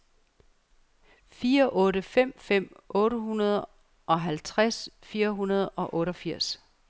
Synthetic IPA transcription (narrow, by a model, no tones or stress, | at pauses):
fiːɐʔɔ̽ːɾəfem̰fem̰ʔɔ̽ːɾəɦunɐð̞ˠ | ʔɒ̽ɦælt͡sʰʁasfiːɐɦunɐð̞ˠɒ̽ʔɔ̽ːɾɒfiɐ̰s